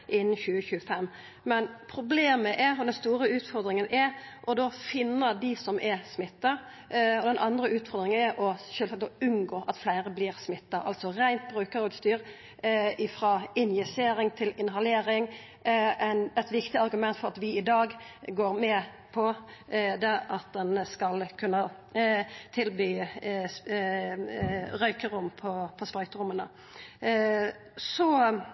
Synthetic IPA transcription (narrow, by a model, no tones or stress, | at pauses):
ʔɪnːən̩çʉːəçʉːəfɛmː | mɛnpʰɾʊbleːməʔɛɾɔd̪ɛnst̪uːɾəʉːt̪fɔɾd̪ɾɪŋənʔɛʔɔd̪oːfɪnːəɾd̪ɪsɔmʔɛsmɪt̪ːɑ | ɔd̪ɛnʔɑnd̪ɾəʉːt̪fɔɾd̪ɾɪŋənɛɾʔɔʃøːlɑk̪̚d̪ɔʉnɡoːʔɑt̪flæɪɾəbliːɾsmɪt̪ːɑʔɑlt̪sɔɾæɪnt̪̚bʁʉːkəɾod̪st̪yːɾ | ɪfɾɑɪnjɪseːɾɪŋt̪ʰɪlɪnɦɑleːɾɪŋ | ænɛt̪ʋɪkt̪ɪɑɾɡʉmɛnt̪fɔʁɑt̪ʋɪɪd̪ɑːɡɡoːʁmɛ | pʰɔd̪ɛɑt̪̚d̪ɛnskɑlkʰʉnːə | t̪ʰɪlbyː | ɾœʏkəɾʊmpʰɔpʰɔspɾɑʏk̪əɾʊmːənə | sɔ